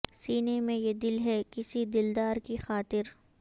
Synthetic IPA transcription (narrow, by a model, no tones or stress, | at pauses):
siːnemẽjed̪ɪlɦɛkɪsid̪ɪld̪aːɾkixaːt̪ɪɾ